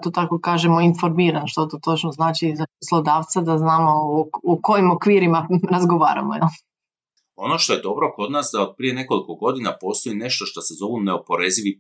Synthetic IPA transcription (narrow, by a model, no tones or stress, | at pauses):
t̪oːt̪akokaːʒemo̞info̞ɾmiːɾanʃt̪ot̪ot̪o̞t͡ʃnoznaːt͡ʃizaposlˠod̪aːʋt̪sad̪aznaːmo̞uko̞jimo̞kʋiːɾimaɾazɡo̞ʋa̰ːɾa̰mojɛl | o̞noʃt̪o̞je̞d̪o̞bɾo̞ko̞d̪naːsd̪aod̪̚pɾije̞ne̞koliko̞ɡo̞d̪inapo̞ːst̪o̞ine̞ʃt̪o̞ʃt̪osezo̞ʋuneopo̞ɾeziʋi